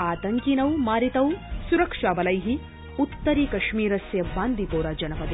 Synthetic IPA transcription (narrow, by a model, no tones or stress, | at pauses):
aːt̪ɐŋkinɐwmaːɾit̪ɐwsuɾɐkʂaːbɐlɐjɦi | ut̪ːɐɾiːkɐʃmiːɾɐsjɐbaːnd̪ʱipoːɾaːd͡ʒɐnɐpɐd̪e